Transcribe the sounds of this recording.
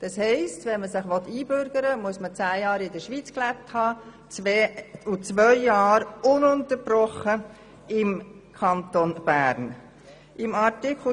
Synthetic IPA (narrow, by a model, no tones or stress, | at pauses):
d̥ɑshɛɪstʋɛnməsɪχʋɔt̪ːiːbʏɾɡ̥əɾəmuəsmət͡sæːjɑːɾɪdəʃʋiːt͡sklæp̚thɑː | t͡sː | ut͡sʋœʏːɑːɾʊnʊnt̪əɾb̥ɾɔχə | ɪmkʰɑnt̪onb̥æːɾn | ʔɪmɑɾtɪkχl̩